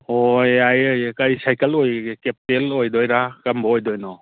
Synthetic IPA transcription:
ɔjajɯjkajsajkəlojkep̚telɔjd̪ɔjɾakambɔɔjd̪ɔjnɔ

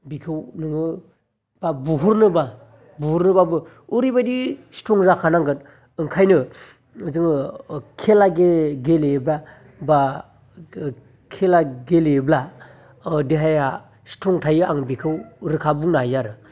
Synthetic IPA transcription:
bikʰɯwnɯŋɯ | b̥abuɦuɾnɯba | buhuɾnɯbabɯ | uɾibadisi̥tʰɔŋzakʰanaŋɡɯt | ɯŋkʰajnɯ | zɯŋkʰelaɡeɡelebla | ba | kʰelaɡelebla | deɦaja | si̥tʰɔŋtʰajɯaŋbikʰɯwɾɯkʰabuŋnajaɾɯ

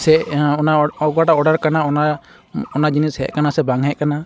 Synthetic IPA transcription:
sɛɔnaɔɡaʈaɔɖaɾkanaɔna | ɔnad͡ʒinishɛ̰ʔkanasɛbaŋɦɛʔkana

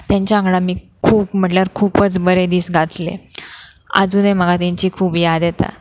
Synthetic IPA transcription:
t̪jãɲt͡ɕjaə̃ŋɡɭamiː | kʰuːpm̤əʈljaɾkʰuːpət͡sbəɾed̪iːsɡʱat̪lḛ | ə̰d͡zunem̤əɡat̪ãɲt͡ɕiːkʰuːpjad̪jɛt̪a̰

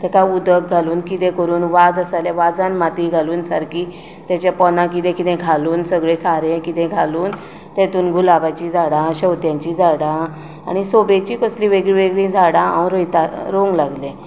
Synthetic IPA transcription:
t̪ɛkaud̪ək̚ɡʱaluːnkit̪ɛ̃kəɾuːnʋad͡zəsalɛʋad͡zanmat̪iɡʱaluːnsaɾkiː | t̪jat͡ɕapɔnãk̬it̪ɛ̃kit̪ɛ̃ɡʱaluːnsəɡɭesaɾẽkit̪ɛ̃ɡʱaluːn | t̪ɛ̃t̪uːnɡʱulaʋat͡ɕid͡zʱaɽãɕəwt̪jãɲt͡ɕid͡zʱaɽã | a̰ɽ̃isobet͡ɕiːkəslĩʋeɡɭiʋeɡɭĩd͡zʱaɽãa̰wɾojt̪aɾoŋɡlaɡlẽ

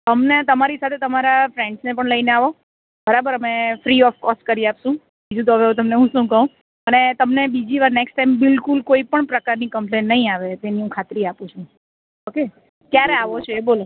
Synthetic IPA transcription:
əmnet̪əmaɾisat̪ʰet̪əmaɾafɾẽɳɖsnepəɳləineaʋo | bəɾabəɾəmefɾiɔfkɔsʈkəɾijapsũ | bid͡ʒũt̪̬oɦəʋeɦũt̪̬əmneɦũʃũkəɦũ | ənet̪əmnebid͡ʒiʋaɾneksʈʈajmbɪlkulkoipəɳpɾəkaɾnikəmplenːəɦĩaʋet̪eniũkʰat̪ɾiapũt͡ʃʰũ | oke | t̪jaɾeaʋot͡ʃʰebolo

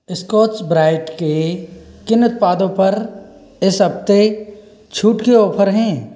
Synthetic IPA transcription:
ɪskɔːʈsbɾaːɪʈkekɪnːʊt̪̚paːd̪õpɐɾ | ɪsɦɐb̚t̪e | t͡ʃʰuːʈkeoːpʰəɾɦɛ̃ː

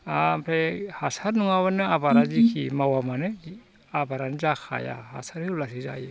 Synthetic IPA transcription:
apʰɾehasaɾnuŋaβanɯabaɾazikʰimawamanɯ | abaɾanɯzakʰa̰ja̰ha̰saɾhɯlasiza̰jɯ

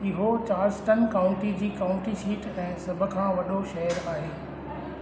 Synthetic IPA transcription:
ɪɦot͡ɕaːɾsʈənkaːʊ̃ɳʈid͡ʑiːkaːʊ̃ɳʈisiːʈɛ̃ːsɐbʱʊ̆kʰãːʋɐɗoʃɐɦəɾaːɦeː

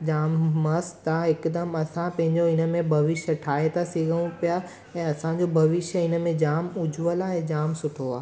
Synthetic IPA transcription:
d͡ʑaːmːɐst̪aɪkd̪əmɐsãpɐ̃ɦɪ̃ɲd͡ʑoɪnə̆mẽbʱɐʋɪʃjəʈʰaːet̪asiɡəɽ̃ũpija | ɛ̃ːɐsãd͡ʑobʱɐʋɪʃjəɪnəmẽd͡ʑaːmʊd͡ʑʱʋəlaɛ̃d͡ʑaːmsʊʈʰoaː

